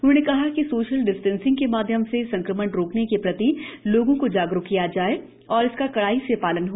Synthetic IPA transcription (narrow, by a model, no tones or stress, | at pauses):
ʊnõːnekɐɦakisoːʃəlɖɪsʈɛ̃nsɪ̃ŋɡkemaːd̪ʱjəmsesɐ̃ŋkɾəməɽɾoːknekepɾɐt̪iloːɡõkod͡ʒaːɡɾʊkkːijad͡ʒaːe | ɔːɾɪskakɐɽaːisepaːlənɦoː